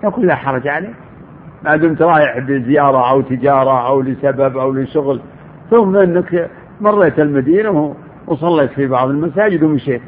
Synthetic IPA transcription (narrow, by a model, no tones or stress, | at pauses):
jakulːaħɑɾˤɑd͡ʒʕaleːk | maʕd̪uːmt̪ɾˤɑːjɪħbəzɪjɑːɾˤɑʔawt̪ɪd͡ʒɑːɾˤɑʔawlɪsababʔawlɪʃʊɣl | θʊmːʔɪnːək | mɑrˤːeːt̪almad̪iːna | wsˤɑlːeːt̪fibɑʕðˤəlmas̬aːd͡ʒɪd̪hʊmʃeː